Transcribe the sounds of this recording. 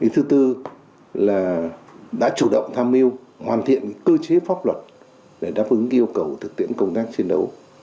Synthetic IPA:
ʔi˨˦t̪ʰɨ˨˦t̪ɨ˧ | laː˨˩ɗa̰ː˧˥t͡ɕu˧˩ɗə̰˧˨wŋ͡mt̪ʰaː˧mːi˧əw | hwaː˨˩nt̪ʰḭ˧˨ən˧˦˥kəː˧t͡ɕe˨˦faː˦˥p̚lwə˨˩t̚ | ɗe˧˩ɗaː˦˥p̚ʔɨ˨˦ŋ˧ʔi˧əwkə˨˩wt̪ʰɨ˨˩k̚t̪ʰḭ˧˥ənkə˧wŋ͡mt̪aː˦˥k̚t͡ɕi˧nɗə˨˦w

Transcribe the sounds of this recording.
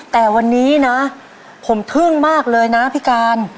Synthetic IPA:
t̪ɛː˨˩wa˧nːiː˦˥na˦˥ | pʰo˩˦mt̪ʰɯ˥˩ŋmaː˥˩k̚lɤː˧jna˦˥pʰi˦˥kaː˧n

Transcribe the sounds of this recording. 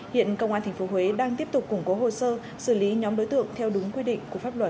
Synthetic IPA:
hḭ˧˨ənkə˧wŋ͡mʔaː˧nt̪ʰŋ̟fo˨˦ɦwe˨˦ɗaː˧ŋt̪i˦˥əp̚t̪ʊ˨˩k͡p̚kʊ˧˩ŋ͡mko˨˦ɦo̰˧˨səː˧ | sɨ˧˩li˨˦ɲɔ˨˦mɗo˨˦jt̪ɨ̰˧˨əŋt̪ʰɛ˧wɗʊ˨˦ŋ͡mkwi˧ɗḭ̈˧˨ŋ̟ku˧˩əfaː˦˥p̚lwə˨˩t̚

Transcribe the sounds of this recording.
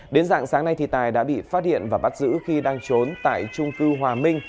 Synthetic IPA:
ɗe˨˦nza̰ː˧˨ŋsaː˨˦ŋna˧jt̪ʰḭ˧˨˩t̪aː˨˩jɗa̰ː˧˥ɓḭ˧˨faː˦˥t̚hḭ˧˨ənvaː˨˩ɓa˦˥t̚zɨ̰˧˥xi˧ɗaː˧ŋt͡ɕo˨˦nt̪a̰ː˧˨jt͡ɕʊ˧ŋ͡mkɨ˧ɦwaː˨˩mï˧ŋ̟

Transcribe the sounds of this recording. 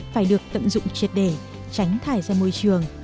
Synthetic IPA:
faː˧˩jɗɨ˨˩ək̚t̪ə̰˧˨mzʊ̰˧˨ŋ͡mt͡ɕi˨˩ət̚ɗe˧˩ | t͡ɕa˨˦jŋ̟t̪ʰaː˧˩jzaː˧mo˧jt͡ɕɨ˨˩əŋ

